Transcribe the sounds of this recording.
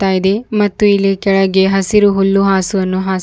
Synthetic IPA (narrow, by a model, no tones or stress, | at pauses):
t̪aːjid̪emɐt̪ːuilːikɛɭɐɡeɦɐsiɾuɦulːuɦaːsuʋɐnːuɦaː